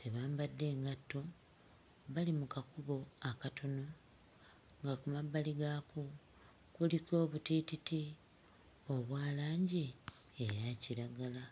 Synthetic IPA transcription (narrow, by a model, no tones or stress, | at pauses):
tʰe̞βaːmbadːe̞ːŋɡatːo̞ | βalimukakuβo̞akatʰo̞no̞ | ŋɡakumabːaliɡaːku | kuliko̞ːβutititi | o̞βwaːlaːɲɟi | ejaciɾaɡala